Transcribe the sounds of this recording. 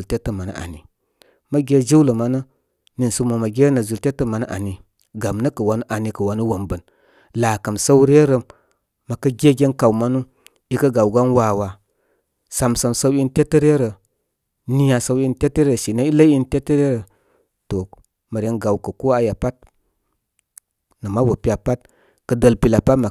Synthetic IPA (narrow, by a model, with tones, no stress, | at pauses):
lte˦tːə˦ma˨nə̰˨ʔa̰˨ni˨ | mə˦ɡe˦d͡ʒi˦wlə˨ma˨nə˦ | ni˨nsu˦mə˨ma˨ɡʲe˦nə˨zu˨lte˦tə˦ma˨nə̰˦ʔa̰˨ni˨ | ɡa˨mnə˦kə˨wa˦nu˦ʔa˨ni˨kə˨wa˨˦nu˦wo˨mbə˨n | la˨kə˨msə˦wɾe˦ɾəː˨ | a˨kə˦ɡʲe˦ɡʲe˦nka˨wma˦nu˦ | i˦kə˦ɡa˨wɡa˦nwa˨wa˨ | sa˨msə˨msa˦wi˦n˦te˦tːə˦ɾe˦ɾə˨ | ni˦ja˨sa˦wi˦nte˦tə˦ɾe˦e˨ʃi˨na˦i˦lə˦i˦nte˦tːə˦ɾe˦ɾə˨ | to˨ | ma˨ɾʲe˨nɡa˨wkə˨ko˦a˨ja˨pa˦t̚ | nə˨ma˦bo˨pi˦a˨pa˦t̚ | kə˨də˨lpi˨la˨pa˦tma˨